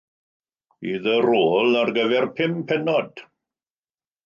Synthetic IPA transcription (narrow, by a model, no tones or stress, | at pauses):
iðəɾoːlˠarɡəvɛrpʰɪmpʰɛnɔd̥